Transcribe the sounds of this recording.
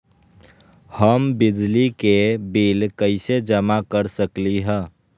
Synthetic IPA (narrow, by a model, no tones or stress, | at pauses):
həmbɪd͡ʒlikebiːlkəɪsed͡ʒəmakəɾsəkliɦɛ̃ː